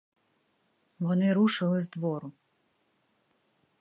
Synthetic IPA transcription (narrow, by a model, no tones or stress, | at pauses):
ʋɔnɪɾuʃɪlˠɪzd̪ʋɔɾʊ